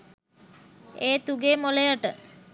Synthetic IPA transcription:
eːt̪uɡeːmolejəʈə

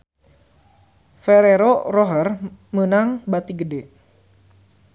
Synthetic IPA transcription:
feɾeɾoroɦərmənaŋbat̪iɡəde

